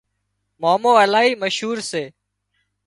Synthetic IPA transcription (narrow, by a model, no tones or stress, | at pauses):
maːmoːəlaːɦiːməʃɦuːɾseː